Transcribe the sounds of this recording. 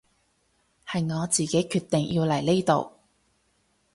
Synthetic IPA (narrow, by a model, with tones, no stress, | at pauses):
hɐ˨jŋɔː˨˧t͡siː˨ke˨˥jkʰyː˧t̪ːɪ˨ŋjʔi˧wlɐ˨˩jle˥jt̪o˨w